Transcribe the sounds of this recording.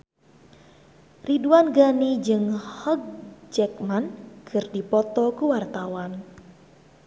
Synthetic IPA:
riduanɡanid͡ʒɨŋhɔɡ̚d͡ʒɛk̚mankɨrdipɔt̪ɔkəwart̪awan

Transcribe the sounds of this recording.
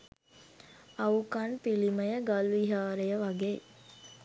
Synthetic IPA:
ɐukɐnpiliməjəɡalʋiɦaːɾejəʋaɡeː

